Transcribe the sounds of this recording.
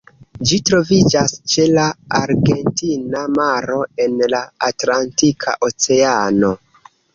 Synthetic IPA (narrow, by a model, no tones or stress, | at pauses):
d͡ʒitɾo̞vid͡ʒast͡ʃe̞laaɾɡe̞ntinamaɾo̞e̞nlaːtlantikʰa̰ʔo̞t͡se̞ano̞